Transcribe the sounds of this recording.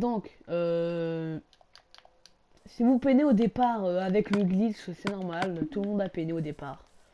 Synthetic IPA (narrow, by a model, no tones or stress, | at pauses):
d̪ɔ̃k | ø | sivupeneod̪epaʁøavɛkləɡlisəsɛnɔʁmalt̪ulmɔ̃d̪apeneod̪epaːʁ